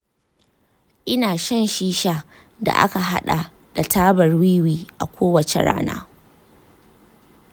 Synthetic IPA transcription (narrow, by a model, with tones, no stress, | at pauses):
ʔɪ˦naː˨ʃɐ˦nʃiː˦ʃa˦ | da̰˨ʔa̰˦ka˨ɦa˦ɗa˨ | d̥a˨tʰaː˦bɐ˨rwiː˦wiː˦ʔa̰˨kʷoː˦wɐ˨t͡ʃḛ˨ɽa̰ː˦na̰ː˦